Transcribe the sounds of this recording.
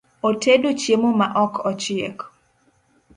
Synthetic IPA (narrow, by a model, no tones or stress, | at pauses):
otedot͡ʃjemomaʔɔkʰɔt͡ʃɪḛk